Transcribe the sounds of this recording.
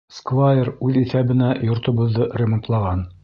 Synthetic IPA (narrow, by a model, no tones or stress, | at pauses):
skvajeɾʉðiθæβɘ̆næjŏɾt̪ŏβŏðːɤrʲemŏnt̪lˠɑʁɑn